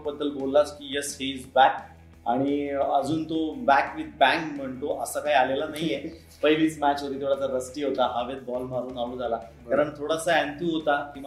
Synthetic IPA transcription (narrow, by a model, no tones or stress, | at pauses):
bəd̪ʱːəlbolːat͡skijəshiːd͡zbæk̚ | a̰ɽ̃iəd͡zuːnt̪obækʋid̪̚bæ̃ŋkm̤əɳt̪oʔəsakaialelanaɦije | pəjʋiːt͡smæt͡ɕʋəɾiːt̪ʰoɽat͡saɾəsʈiːɦot̪aɦaʋet̪̚bɔlmaɾuːnaʋuːd͡zʱala | aɾəɳt̪ʰoɽasaæ̃nt̪uːɦot̪akĩ